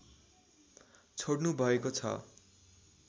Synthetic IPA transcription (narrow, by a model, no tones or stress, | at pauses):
t͡sʰoɽnubʱʌekot͡sʰʌ̰